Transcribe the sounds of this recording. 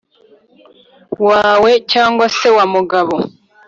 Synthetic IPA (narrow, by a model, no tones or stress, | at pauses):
waːwe̞caːŋɡwase̞wamuɡaβo